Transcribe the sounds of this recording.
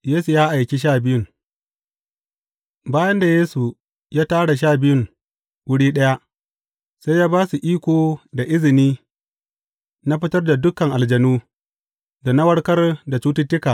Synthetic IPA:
jeː˦su˨jaː˦ʔa˨jkʲi˦ʃ̬aː˦˨bɪ˦jʊ˦˨ŋ | baː˦jɐ˦nda˨jeː˦su˨ | jaː˦taː˦ɽa˨ʃ̬aː˦˨bɪ˦jʊ˦ŋ | wʊ˦ɽiː˦ɗɐ˦ja˦ʔ | sa˦jːaː˦baː˦su˨ʔiː˦kʷoː˨da˨ʔɪ˦zɪ˨niː˦ | na˦ɸɪ˦tɐ˦rda˨dʊ˦kɐ˨ŋʔa˨ld͡ʒɐ˨nuː˦ | da˨nɐ˦wɐ˦ɽkɐ˦rda˨t͡ʃuː˦tɪ˦tːɪ˦kaː˨

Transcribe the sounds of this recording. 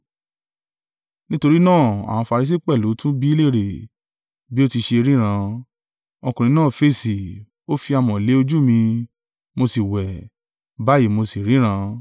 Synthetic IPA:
nĩ˦to˧ɾi˦nãː˦˨a̰˨w̃ã˧fa˧ɾi˧s̬i˦˨k͡pɛ˦˨lu˨˦tũ˦bi˦le˦˨ɾe˨ | bi˨˦o˦ti˧ʃe˧ɾĩ˦ɾ̃ã˧ | o˧kũ˨ɾ̃ĩ˧˦nãː˦˨fe˦˨si˨ | o˦fi˧a˧mɔ̃˨le˨˦o˧d͡ʒu˦mĩ˧ | mo˧si˨wɛ˨ | ba˨˦ji˨mo˧si˨ɾĩ˦ɾ̃ã˧

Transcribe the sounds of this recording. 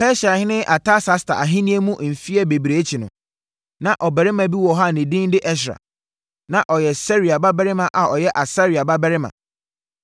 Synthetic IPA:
pʰɛ˦ɕa˨hɪ˦nɪ̃˦ʔa˨tʰa˦sa˦sta̰˨a˨ɦɪ̃˦nĩ˦e˦mũ˦ʔm̩˨fi˦ɛ˦be˨bɾe˨˦t͡ɕʰi˨nʊ̰̃˨ | nã˨ʔɔ˨bɛ˨ɾɪ˦mã˨bi˦wɔ˨ɦa˦˨nɪ̃˨dĩ˦n˦dɪ˦ʔɛ˦ɕ̬ɾa̰˨ | nã˨ʔɔ˨jɛ˨sɛ˦ɾi˨a˨ba˦bɛ˦ɾɪ˦mã˨ʔa˨ɔ˨jɛ˦ʔa˨sa˦ɾi˨a˨ba˦bɛ˦ɾɪ˦mã̰˨

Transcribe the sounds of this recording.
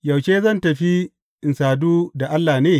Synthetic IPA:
jɐ˨wt͡ʃeː˦zɐ˦˨ntɐ˨ɸi˦ | ʔɪ˨nsaː˨duː˦da˨ʔa˦lːaː˨neː˦

